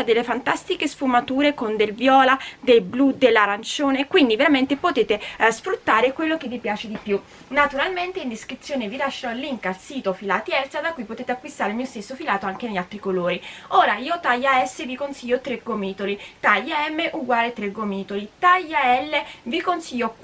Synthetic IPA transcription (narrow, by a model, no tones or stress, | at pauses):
ad̪elːefant̪ast̪ikesfumat̪uːɾekond̪elvjɔːlad̪elblud̪elːaɾant͡ʃoːnekwind̪iveɾament̪epot̪eːt̪esfɾut̪ːaːɾekwelːok̟evːipjaːt͡ʃed̪ipju | nat̪uɾalment̪eind̪iskɾit̪sːjoːnevilaʃːalːiŋkalsiːt̪ofila̰ːt̪iɛlsad̪akːuipot̪eːt̪eakːwist̪aːɾelmiːost̪esːofilaːt̪oaŋk̟eneʎːalt̪ɾikoloːɾioːɾaiːot̪ajaɛsːevikonsiʎːot̪ɾeɡomiːt̪olit̪ajaɛmːeʔuɡwaːlet̪ɾeɡomiːt̪olit̪ajaɛlːevikonsiʎːo